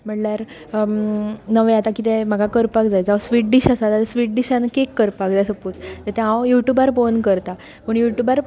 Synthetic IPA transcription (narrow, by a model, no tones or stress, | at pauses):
m̤əɳljaɾ | nəʋeat̪akit̪ɛm̤aɡakəɾpakd͡zajd͡zaʋsʋiʈɖiɕasat̪at̪esʋiʈɖiɕanəkekːəɾpakd͡zajsəput͡st̪əɾt̪ɛ̃ɦãwjuʈjubaɾfonkəɾt̪a | puɳjuʈjubaɾ